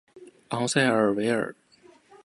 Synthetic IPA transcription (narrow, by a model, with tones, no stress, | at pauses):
ɑ˧˥ŋsa˥˩ɪə˞˨˩we˧˥ɪə̰˞˨˩